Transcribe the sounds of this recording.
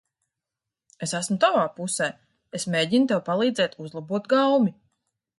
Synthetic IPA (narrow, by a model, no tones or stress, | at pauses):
esæsmut̪avaːpusɛː | esmʲeːɟint̪ewpalˠiːd̪zɛːt̪ʰuzlˠabuɔt̪ɡawmʲi